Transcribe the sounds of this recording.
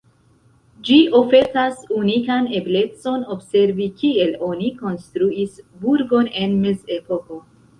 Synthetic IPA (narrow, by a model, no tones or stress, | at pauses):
d͡ʒiʔo̞fe̞sasunikane̞ble̞t͡so̞no̞bse̞ɾvikielo̞niko̞nstɾuisbuɾɡo̞ne̞nmeze̞po̞ko̞